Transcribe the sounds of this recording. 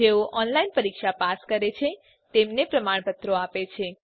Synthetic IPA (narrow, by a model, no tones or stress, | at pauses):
eoʔɔnlainpəɾikʃapaskəɾet͡ʃʰe | t̪emnepɾəmaɳpət̪ɾoapet͡ʃʰe